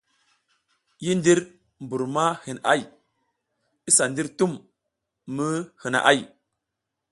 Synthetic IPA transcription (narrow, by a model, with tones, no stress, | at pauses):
ji˦ndi˦ɾ | m˨bu˨ɾma˦hi˨na̰˦˨j | i˦sa˨ndi˦ɾtu˦mː | ə˦hə˨na̰˨ʔa̰˦˨j